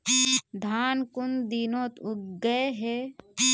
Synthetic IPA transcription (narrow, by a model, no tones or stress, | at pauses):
d̪ʱaːnkʊnd̪inoːt̪ʊɡɐeɦe